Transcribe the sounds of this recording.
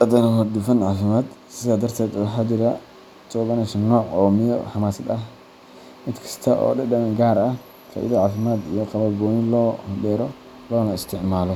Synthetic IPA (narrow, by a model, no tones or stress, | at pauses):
ʔɐd̪ɐnɐɦɔɾd̪ʊfɐnʕaːfɪmaːd̪sɪðaːd̪ɐrt̪ʰɛːd̪ɔħad̪ɪɾɐ | t͡ʃɔbɐnɛʃɐnːɔːʕɔːmɪjɔ̰ħɑmaːsɐd̪ɐh | mɪd̪kʰɐ̥st̪ʰɐʔɔ̰ːɗɐdɐmɐŋɡaːɾɐh | kʰɐ̰ɪ̰ðɐʕaːfɪmaːd̪ḭjɔqɑβɐɡɔːnɪlɔːhd̪ɛːɾɔ | lɔːnɐɪst̪ʰɪʕmaːlɔ